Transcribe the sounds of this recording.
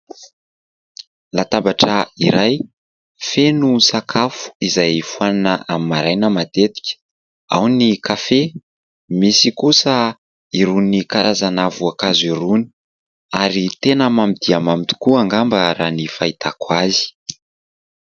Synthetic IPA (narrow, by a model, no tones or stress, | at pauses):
lat̪abaʈ͡ʂəiɾaj | fenusakʰafu̥izajfuananəamimaɾajnəmat̪et̪i̥kʲə̥ | a̰wnikafe | misikusə | iɾunikaɾʔazanavuakaziɾuni̥ | aɾit̪enəmamid̪iamamit̪u̥kuaŋɡambəɾanifait̪ʰakwazi̥